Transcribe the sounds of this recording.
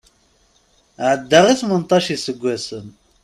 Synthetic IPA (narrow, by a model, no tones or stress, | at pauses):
ʕəd̪ːaʁiθmənt̪ˤːɑʃisəɡʷːæsən